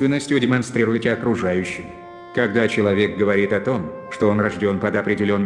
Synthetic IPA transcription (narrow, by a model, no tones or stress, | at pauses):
vʲɪnːəsʲtʲjʊdʲɪmɐnst̪ɾʲiɾʊɪtʲɪɐkɾʊʐajʉɕːɪj | kɐɡd̪at͡ɕɪlˠɐvʲek̚ɡəvɐɾʲit̪ɐt̪o̞mʂt̪o̞o̞nrɐʐdʲo̞npəd̪ɐpɾʲɪdʲɪlʲo̞nː